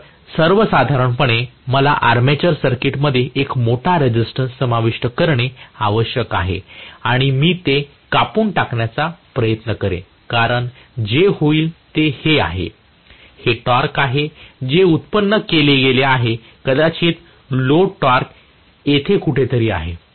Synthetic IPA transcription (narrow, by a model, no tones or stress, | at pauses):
səɾʋəsad̪ʱaɾəɳpəɳ̃eməla̰ʔaɾmet͡ɕəɾsəɾkiʈməd̪ʱːjeʔekmoʈʰaɾed͡ʑisʈənsːəmaʋiʂʈəkəɾɳeaʋəɕjəkaɦḛaɽ̃imiːt̪e | kapuːɳʈakɳjat͡sapɾəjət̪nəkəɾḛ̃ | kaɾəɳ | d͡ʑehoiːlt̪ehea̰ɦḛ | heʈɔɾkaɦed͡ʑeut̪pənːəkeleɡeleaɦe | kəd̪at͡ɕiːt̪ | loʈɔɾk | jet̪ʰekuʈʰet̪əɾiːa̰ɦe